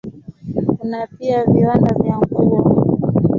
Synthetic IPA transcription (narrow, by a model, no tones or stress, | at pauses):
kunapiaviwandavjaŋɡuwɔ